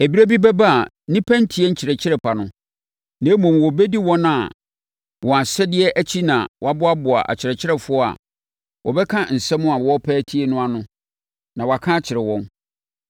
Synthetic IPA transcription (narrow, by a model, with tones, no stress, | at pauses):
e˨bi˦æ˦bi˦bɛ˦ba˦a˨ | nĩ˦pʰæ̃˦n̩˦tʰɪ˨˦ɛ˦ɲ̩˦t͡ɕʰɪ˨ɾɛ˨t͡ɕʰɪ˦ɾɛ˨pʰa˨nʊ̃˦ | nɛ̃˨˦mɔ̃˨mwɔ˨bɛ˦di˦wɔ̃˦nã˨ | wʔɔ̃˨a˨sɛ˦dɪ˦ɛ˦ʔæ˦t͡ɕʰi˦nã̰˨wɔ˨a˦bʊ˦a˦bʊ˨a̰˨ʔa̰˨t͡ɕʰɪ˨ɾɛ˨t͡ɕʰɪ˦ɾɛ˨fʊ˦ɔ˦a̰˨ | wʔɔ˨bɛ˦kʰã˦n̩˨sɛ̃˦mʊ̃˦a˨wɔ˦pʰɛː˦tʰi˦nʊ̃˦a˨nʊ̃˦ | nã˨wa˨kʰã˦t͡ɕʰɪ˨ɾɛ˨wɔ̃˦n